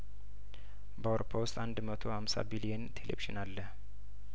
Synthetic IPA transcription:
bəawɾopʰːawʊst̪ʼand̪mət̪ʰo̞hamsa̰bilijənt̪ʰelḛbiʒɪnalːəh

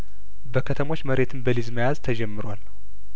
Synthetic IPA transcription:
bəkʰət̪ʰəmo̞t͡ʃːməɾe̞t̪ʰɨnbəlizməjazt̪ʰəd͡ʒɛmːɨɾwal

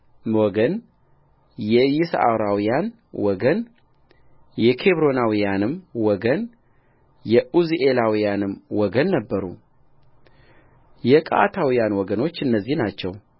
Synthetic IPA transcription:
wɔɡən | jɛjɪsa̰wɾawijan | wɔɡən | jɛkʰe̞βɾo̞nawijanɨmwɔɡən | jɛʔuziʔelawijanɨmwɔɡənːəbːəɾu | jɛkʼa̰t̪ʰawijanwɔɡəno̞t͡ʃːɨnːəzːihnat͡ʃːɛw

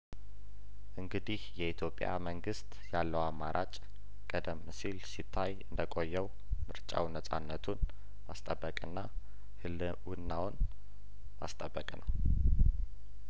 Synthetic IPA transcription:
ʔɨŋɡɨd̪ihjɛit̪ʰjo̞pʼja̰məŋɡɨst̪ʼjalːəwamːaɾʔat͡ʃʼ | kʼəd̪əmːsilsit̪ʰːajɨnd̪əkʼo̞jːɛw | mɨɾt͡ʃʼa̰wnəsʼa̰nːət̪ʰun | mast̪ʼəbːəkʼɨnːa | hɨl | wɨnːawn | ma̰st̪ʼəbːəkʼnəw

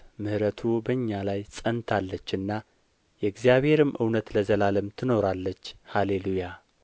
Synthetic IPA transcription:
mɨhɾət̪ʰubəɲːalajsʼənt̪ʰalːət͡ʃːɨnːa | jɛɡzijaβhe̞ɾɨmʔɨwnət̪ləzəlaləmt̪ʰɨno̞ɾalːət͡ʃːhaleluja

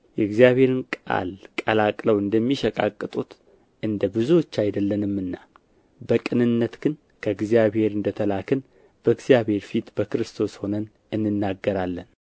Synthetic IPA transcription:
jɛɡzijaβhe̞ɾɨnkʼa̰lkʼəlakʼləwɨnd̪əmːiʃəkʼa̰kʼːɨt̪ʼut̪ | ʔɨnd̪əbɨzuwot͡ʃːajd̪əlːənɨmːɨnːa | bəkʼɨnɨnːət̪ɡ̥ɨn | kʰəɨɡzijaβhe̞ɾɨnd̪ət̪ʰəlakʰɨn | b̥əɨɡzijaβhe̞ɾfit̪bəkɨɾɨst̪ʰo̞sho̞nən | ɨnːɨnːaɡːəɾalːən

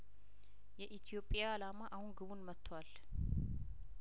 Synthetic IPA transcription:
jɛʔit̪ʰijo̞pʼijaːlamaʔahunɡɨβunmət̪ʰːwal

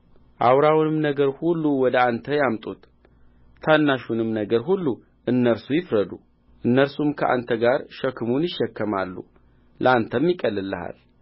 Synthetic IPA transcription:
ʔawɾawnɨmnəɡəɾhulːuwɔd̪əant̪ʰəjamt̪ʼut̪ | t̪ʰːanːaʃunɨmnəɡəɾɦulːu | ʔɨnːəɾsujɪfɾəd̪ṵ | ʔɨnːəɾsumkʰəʔa̰nt̪ʰəɡaɾʃəkːɨmunjɪʃːɛkːəma̰lːṵ | lʔəant̪ʰəmjɪkʼəlːɨlːə̰ha̰l

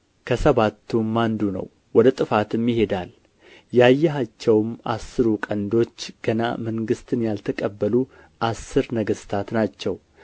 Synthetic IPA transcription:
kʰəsəβat̪ʰːumːand̪unə̰w | wɔd̪ət̪ʼɨfat̪ɨmːihe̞d̪al | jajːɛɦat͡ʃːɛwma̰sːɨɾukʼənd̪o̞t͡ʃːɡ̥əna̰məŋɡɨst̪ʰɨnjalt̪ʰəkʼəbːəlu | ʔasːɨɾnəɡəst̪ʰat̪nat͡ʃːɛw

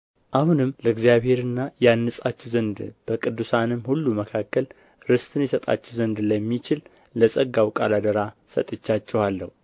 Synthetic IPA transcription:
ʔahunɨmləɡzijaβhe̞ɾɨnːajanːəsʼat͡ʃːɛwzənd̪b̥əkʼɨd̪ːusanɨmːhulːuməkʰakːəl | ɾɨst̪ʰʼɨnjɛsət̪ʼa̰t͡ʃːɛwzənd̪ləmːit͡ʃɪl | ləsʼəɡːawkʼa̰lad̪əɾasə̰t̪ʼɨt͡ʃːat͡ʃːɛwalːə̰hu

